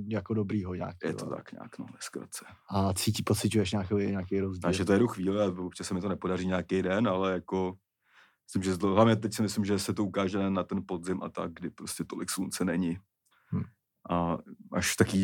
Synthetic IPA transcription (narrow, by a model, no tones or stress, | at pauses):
jakodobɾiːɦoɲa̰ːkjɛ̰ot̪a̰kɲa̰ːkno̰vɛskɾa̰t͡sɛ̥ʔat͡siːcɪpot͡sɪcujɛʃ̬ɲaːkɛoɲaːkɛjɾozɟiaʒɛt̪ojɛduxviːlɪaot͡ʃɛsɛmɪt̪onɛpo̞dariːɲaːkejdɛnalɛjako̞ | mɪslɪmʒɛɦlavɲɛt̪̬ɛcsɪmɪslɪmʒɛsɛt̪o̞ukaːʒɛnɛnːat̪ɛnpo̞dzɪmʔa̰t̪a̰ɡ̚ɡdɪpɾoscɛt̪o̞lɪkslunt͡sɛnɛɲɪ | ʔaʔaʃt̪akiː